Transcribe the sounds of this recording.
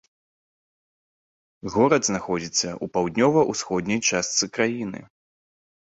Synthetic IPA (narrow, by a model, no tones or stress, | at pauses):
ɣɔɾɐd̪znaxɔd͡zʲit̪sːɐʔupawd̪ʲnʲɔvɐʔusxɔd̪ʲnʲɐjt͡ʂast̪sɨkɾajinɨ̰